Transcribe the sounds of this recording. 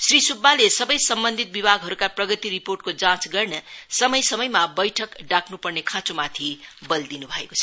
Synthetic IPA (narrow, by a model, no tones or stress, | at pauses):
srisubːalesʌbʌjsʌmbʌnd̪ʱit̪̚bibʱaɡɦʌɾukaprʌɡʌt̪iriporʈkod͡zãt͡sɡʌrnʌsʌmʌjsʌmʌjmabʌjʈʰʌkɖakʰnupʌrnekʰãt͡somat̪ʰibʌld̪inubʱʌeko̥t͡sʰʌ̥